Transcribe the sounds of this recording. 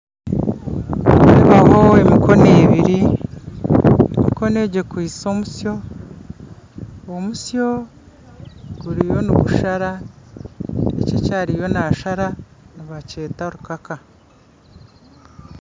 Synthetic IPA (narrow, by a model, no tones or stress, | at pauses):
iβaho̞emikʰo̞neːβiɾi | emiko̞ne̞ːɟe̞kwiːso̞musjo̞ | musjo̞ | ɡ̥uɾijo̞nuβuʃaɾa | ḛcecaːɾijo̞naːʃaɾaniβace̞ːtaoɾukaka